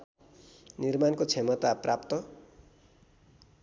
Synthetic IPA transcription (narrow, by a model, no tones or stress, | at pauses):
nirmankot͡sʰemʌt̪aprapt̪ʌ